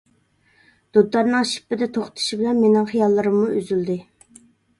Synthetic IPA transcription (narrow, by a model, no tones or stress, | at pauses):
d̪̥ud̪ɑɾnɨŋʃi̥pːɪd̪ɛt̪ʰoχt̪ʰɨ̥ʃibɪlɛnmenɪŋχijɑlˠːɨɾɨmːuøzyld̪ɪ